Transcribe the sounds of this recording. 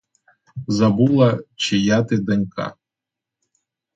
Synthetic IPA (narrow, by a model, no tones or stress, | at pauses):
zɐbulˠɐt͡ʃɪjat̪ɪd̪ɐnʲka̰